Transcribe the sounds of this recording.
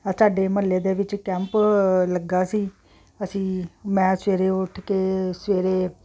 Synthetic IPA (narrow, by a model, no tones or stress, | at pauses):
saːɖeːməleːd̪eːʋɪt͡ʃkɛ̃ːmpləɡaːsiː | əsĩːmɛ̃ːsʋeːɾeːʊʈʰkeːsʋeːɾeː